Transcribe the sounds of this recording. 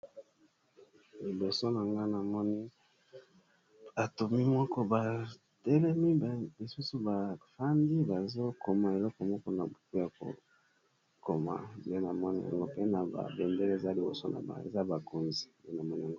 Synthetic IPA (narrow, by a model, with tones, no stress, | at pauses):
li˨bo˨so˦na˨ŋɡa˦na˨mɔ˦ni˦ | ba˨tu˨mi˦mwɔ˦kɔ˦ba˨ | tɛ˦lɛ˦mi˦˨li˨su˦su˨ba˨fa˦ndi˦ba˨zo˦ko˨ma˨e˨lɔ˦kɔ˨mɔ˦kɔ˦na˨po˦ja˨ko̰˨ | ko˨ma̰˨e˦na˨mɔ˦ni˦ja̰˨ŋɡo˦pe˦na˨ba̰˨be˨nde˦le˦˨za˦li˨bo̰˨so˦na̰˨ba̰˨ḛ˨za˦ba˨ko˨nzi˨e˦na˨mɔ˦ni˨a˨ŋɡo˦